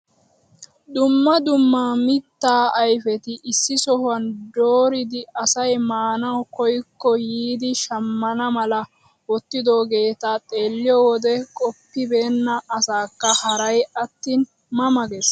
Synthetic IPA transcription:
d̪ʊmːɐd̪ʊmːaːmɪt̪ːaːɐjfɛt̪ɪʔɪsːɪsɔhʊɐnd̪oːɾɪd̪ɪɐsɐjmaːnɐwkɔjkːɔjiːd̪ɪʃɐmːɐnɐmɐlɐ | wɔt̪ːɪd̪o̞ːɡe̞ːt̪at̪ʼe̞ːlːɪjɔwɔd̪ɛkʼɔpːɪbe̞ːnːɐːsaːkːɐhɐɾɐjɐt̪ːiːn | mɐmɐɡɛs

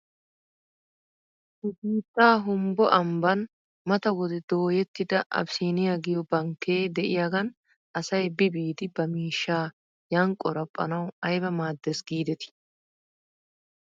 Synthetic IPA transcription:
ʊɡiːt̪ːaːɦʊmbɔʔɐmbɐn | mɐt̪ɐwɔd̪ɛd̪̥o̞ːjɛt̪ːɪd̪ɐʔɐ̰bsiːnɪjaɡɪjɔbɐŋkːeːd̪ɛʔɪjaɡɐn | ʔɐsɐjbɪbiːd̪ɪbɐmiːʃːaː | jɐŋkʼːɔɾɐpʼːɐ̰nɐwɐjbɐmaːd̪ːɛsɡiːd̪ɛt̪ɪ̥

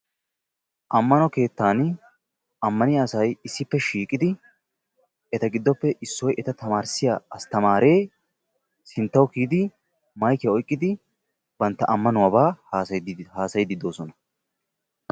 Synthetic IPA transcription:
ʔɐmːɐnɔke̞ːt̪ːaːn | ɐmːɐnɪɐsɐjɪsːɪpːɛʃiːkʼɪd̪ɪ | ɛt̪ɐɡɪd̪ːɔpːɛʔɪsːɔjʔɛt̪ɐt̪ɐmaːɾsɪja̰ːɐst̪ɐmaːɾe̞ː | sɪnt̪ːɐwkiːd̪ɪ | mɐjkɛɔjkʼːɪd̪ɪ | b̥ɐnt̪ːɐʔɐmːɐnʊwɐbaːhaːshaːsɐjɪd̪ɪd̪o̞ːsɔnɐ

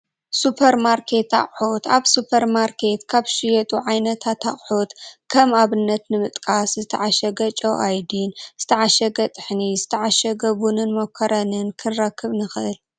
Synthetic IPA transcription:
supʰɐɾmaɾkʰe̞t̪a̰χʼħut̪aβsupʰɐɾmaɾkʰe̞t̪kʰaβʃɪjɐt̪ʼuʕajnɐt̪ʰat̪ʰaχʼħut̪kʰɐmaβɨnːɐt̪nɨmɨt̪ʼkʼaszɨt̪ʰɐʕaʃɐɡɐt͡ʃʼowʔajd̪inz̥ɨt̪ʰɐʕaʃɐɡɐt̪ʼɨħnizɨt̪ʰɐʕaʃɐɡɐβunɨnmɐkʰɐɾɐnɨnkʰɨnɾɐkʰːɨβnɨxɨʔɨl

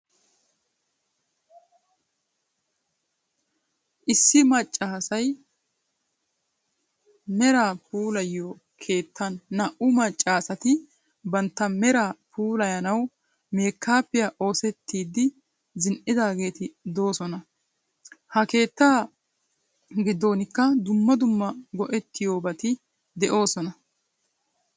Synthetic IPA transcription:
ʔɪsːɪmɐt͡ʃʼːaːsɐj | mɛɾaːpʰuːlɐjːoː | kʰe̞ːt̪ʰːɐnːɐʔʊmɐt͡ʃʼːaːsɐt̪ɪ | bɐnt̪ːɐmɛɾaːpʰuːlɐjɐnɐw | me̞ːkʰːaːpːɪjaʔo̞ːsɛt̪ːiːd̪ːɪ | zɪnʔɪd̪aːɡe̞ːt̪ɪd̪o̞ːsɔnɐ | hɐke̞ːt̪ːaː | ɡɪd̪ːo̞ːnɪkːɐd̪ʊmːɐd̪ʊmːɐɡɔʔɛt̪ːɪjo̞ːbɐt̪ɪ | d̪ɛʔo̞ːsɔnɐ

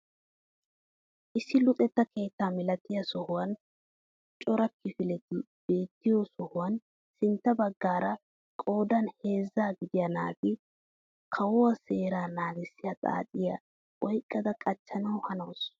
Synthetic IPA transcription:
ʔɪsːɪlʊt̪ʼɛt̪ːɐkʰe̞ːt̪ːaːmɪlɐt̪ːɪjɐsɔhʊwɐn | t͡ʃʼɔɾɐkːɪfɪlɛt̪ɪ | b̥e̞ːt̪ːɪjɔsɔhʊwɐn | sɪnt̪ːɐbɐɡːaːɾɐ | kʼo̞ːd̪ɐnhe̞ːzːaːɡɪd̪ɪjɐnaːɡɪ | kʰɐwɔwɐse̞ːɾaːnaːɡɪsːɪjɐt̪ʼa̰ːt͡sʼɪjɐ | ɔjkʼːɐd̪ɐkʼɐt͡ʃːɐnɐwhɐnɐws

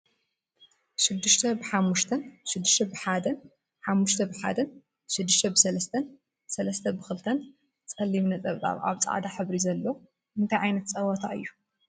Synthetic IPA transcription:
ʃɪd̪ːɨʃt̪ʰɐbɨħamːuʃt̪ʰɐnʃɪd̪ːɨʃt̪ʰɐbɨħad̪ɐn | ħamːuʃt̪ʰɐbɨħa̰d̪ɐn | ʃɨd̪ːɨʃt̪ʰɐbɨsɐlɐst̪ʰɐn | sɐlɐst̪ʰɐbɨxɨlt̪ʰɐn | t͡sʼɐlːimnɐt͡sʼɐβt͡sʼa̰βa̰βt͡sʼa̰ʕd̪aħɨβɾizɐlːo | ʔɨnt̪ʰajʕajnɐt̪̚t͡sʼɐwɐt̪ʰaʔɨ̰jːu

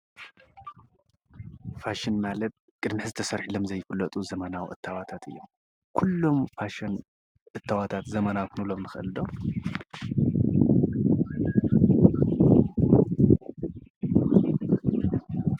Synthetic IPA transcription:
faʃɪnmalɐt̪̚kʼɨd̪mɨħzɨt̪ʰɐsɐɾħilomzɐjːɪfɨlːɐt̪ʼuzɐmɐnawʔɨt̪ʰːawat̪ʰat̪ʰɨ̰jːom | kʰulːo̞mfaʃɐn | ʔɨt̪ʰːawat̪ʰat̪zɐmɐnawkɨnulo̞mnɨxʔɨ̰ld̪o

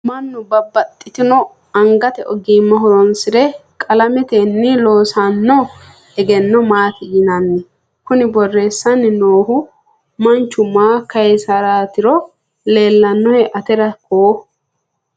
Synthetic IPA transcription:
mɐnːʊbɐbːɐt̪ʼːɪt̪ɪnɔ | ɐŋɡɐt̪ɛʔɔɡiːmːɐɦɔɾɔnsɪd̪ɛkʼɐlɐmɛt̪enːɪlo̞ːsɐnːɔ | ɛɡɛnːɔmaːt̪ɪjɪnɐnːɪ | kʊnɪbɔrːe̞ːsːɐnːɪnoːhʊ | mɐnt͡ʃːʊmaːkɐɛsɐɾaːt̪ɪɾɔ | le̞ːlːɐnːɔhɛʔɐt̪ɛɾɐkoː

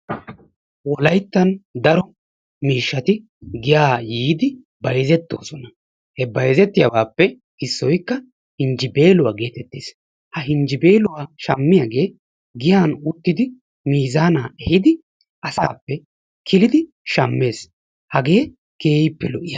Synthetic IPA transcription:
wɔlɐjt̪ːɐnd̪ɐɾɔ | miːʃːɐt̪ɪ | ɡɪjaːjiːd̪ɪ | bɐjzɛt̪ːo̞̰ːsɔnɐ | hɛbɐjzɛt̪ːɪjawaːpːɛ | ɪsːɔjkːɐ | hɪnd͡ʒɪbe̞ːlʊwaːɡe̞ːt̪ɛt̪ːeːs | hɐɦɪnd͡ʒɪbe̞ːlʊwaːʃɐmːɪjaːɡe̞ː | ɡɪjaːnʊt̪ːɪd̪ɪ | miːzaːnaːɛhɪd̪ɪ | ʔɐsaːpːɛ | kʰɪlɪd̪ɪ | ʃɐmːe̞ːs | hɐɡe̞ː | ke̞ːpːɛlɔʔɪja

